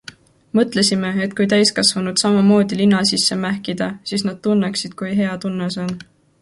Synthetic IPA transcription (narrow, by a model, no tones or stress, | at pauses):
mɤt̪ˑle̞sime̞et̪̚kujt̪æjskɑsvɑnud̪̥sɑmɑmo̞ːd̪̥ilinːɑsisːe̞mæhkid̪̥ɑsiːsnɑd̪̥̚t̪unːeksid̪̥kujɦe̞ɑt̪unːeso̞n